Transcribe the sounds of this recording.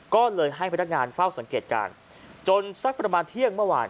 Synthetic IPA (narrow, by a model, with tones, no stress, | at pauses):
kɔː˥˩lɤː˧jɦa˥˩jpʰa˧˩nː˦˥k̚ŋaː˧nfa˥˩wsa˩˦ŋkeː˨˩t̪̚ka̰ː˧n | t͡ɕo˧nsa˦˥k̚pɾa˧maː˧nt̪ʰi˥˩əŋmɯ˥˩əwa̰ː˧n